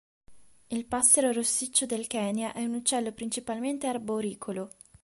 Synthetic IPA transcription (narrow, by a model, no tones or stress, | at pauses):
ilpasːeɾoɾosːit͡ʃːod̪elkɛːnjaʔɛunut͡ʃːɛlːopɾint͡ʃipalment̪earboɾiːkʰolo